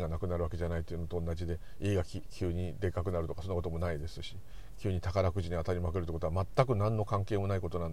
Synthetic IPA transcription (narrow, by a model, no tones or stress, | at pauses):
ŋɡanakɯnaɾɯβake̞ʑanait̪ːoiɯ̟no̞t̪oːnːad͡ʑid̪e̞ | iːɡakʲkʲʰɨːɲ̟id̪e̞kakɯ̟naɾɯ̟t̪o̞kasonːakot̪omo̞naid̪e̞sɨɕi | kʲɨːɲ̟it̪akaɾakɯ̟ʑiɲ̟iat̪aɾʲimakɯɾɯt̪ːekot̪oamat̪ːakɯ̟nãnːo̞kãŋke̞ːmo̞naiko̞t̪o̞nãnd̪